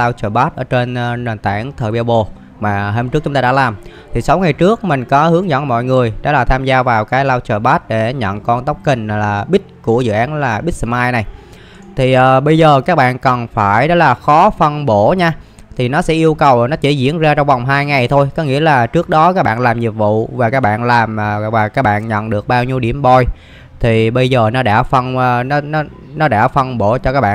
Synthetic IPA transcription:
aː˧wt͡ɕəː˨˩ɓaː˦˥t̚ʔəː˧˩t͡ɕe˧nː˧nə˨˩nt̪aː˧˩nt̪ʰəː˨˩ɓa˧wɓo˨˩ | maː˨˩ɦəː˧mt͡ɕɨ˦˥k̚t͡ɕʊ˨˦ŋ͡mt̪aː˧ɗ̰ːlaː˨˩mt̪ʰi˨˩sa˨˦wŋa˨˩jt͡ɕɨ˦˥ək̚mï˨˩ŋ̟kɔ˨˦hɨ˨˦əŋzɔ̰˧˥˩mɔ̰˧˨jŋɨ˨˩əjɗɔ̰˧˦laː˨˩t̪ʰaː˧mzaː˧vaː˨˩wkaː˨˦jlaː˧wt͡ɕəː˨˩ɓaː˦˥t̚ɗe˧˩ɲə̰˧˨nkɔ˧nt̪ə˦˥wk͡p̚kï˨˩ŋ̟˩laː˨˩ɓi˦˥t̚ku˧˩əzɨ̰˧˨ʔaː˨˦nlaː˨˩ɓi˦˥t̚sə˧maː˧jna˨˩j | t̪ʰi˨˩ʔəː˨˩ɓə˧jzəː˨˩kaː˦˥k̚ɓa̰ː˧˨nkə˨˩nfaː˧˩jɗɔ˨˦laː˨˩xɔ˨˦fə˧nɓo˧˩ɲaː˧ | t̪ʰi˨˩nɔ˨˦sɛ̰˧˥ʔi˧əwkə˨˩wnɔ˨˦t͡ɕi˧˩zḭ˧˥ənzaː˧t͡ɕɔ˧wŋ͡mva˨˩wŋ͡mɦaː˧jŋa˨˩jt̪ʰo˧jkɔ˨˦ŋḭ˧˥əlaː˨˩t͡ɕɨ˦˥ək̚ɗɔ˨˦kaː˦˥k̚ɓa̰ː˧˨nlaː˨˩mzi˨˩p̚vṵ˧˨vaː˨˩kaː˦˥k̚ɓa̰ː˧˨nlaː˨˩mː˨˩vaː˨˩kaː˦˥k̚ɓa̰ː˧˨nɲə̰˧˨nɗɨ˨˩ək̚ɓaː˧wɲi˧əwɗi˧˩əmɓɔ˧˩j | t̪ʰi˨˩ɓə˧jzəː˨˩nɔ˨˦ɗa̰ː˧˥˩fə˧nː˧n˨˦n˨˦ | nɔ˨˦ɗa̰ː˧˩fə˧nɓo˧˩t͡ɕɔ˧kaː˦˥k̚ɓa̰ː˧

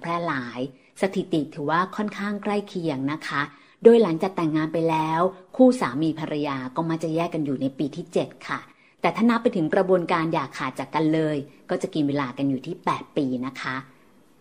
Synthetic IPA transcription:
pʰɾɛː˥˩laː˩˦j | sa˧t̪ʰi˨˩t̪i˨˩t̪ʰɯː˩˦waː˥˩kʰɔ˥˩nkʰaː˥˩ŋkʰɾa˥˩jkʰi˧əŋna˦˥kʰa˦˥ | doː˧jla˩˦ŋt͡ɕaː˨˩k̚t̪ɛ˨˩ŋːaː˧npa˧jlɛː˦˥wkʰuː˥˩saː˩˦miː˧pʰa˧ɾʔa˧jaː˧kɔː˥˩ma˦˥˩t͡ɕa˨˩jɛː˥˩ka˧njuː˨˩na˧jpiː˧t̪ʰiː˥˩t͡ɕe˨˩t̪̚kʰa˥˩ | t̪ɛː˨˩t̪ʰaː˥˩na˦˥pːa˧jt̪ʰɯ˩˦ŋkɾa˧bu˧ənkaː˧njaː˨˩kʰaː˨˩t̪̚t͡ɕa˨˩kːa˧nlɤː˧jkɔː˥˩t͡ɕa˨˩ki˧nweː˧laː˧ka˧njuː˨˩t̪ʰiː˥˩pɛː˨˩t̪̚piː˧na˦˥kʰa˦˥ʔ

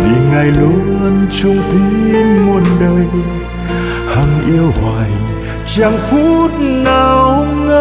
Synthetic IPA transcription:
vi˨˩ŋa˨˩jlu˨˦nt͡ɕʊ˧ŋ͡mt̪i˧˦nmu˨˧˩ənɗəː˧j | ha˧˩ŋʔi˧əwhwaː˨˩j | t͡ɕaː˧˩ŋfu˦˥t̚na˧˩wŋə˧

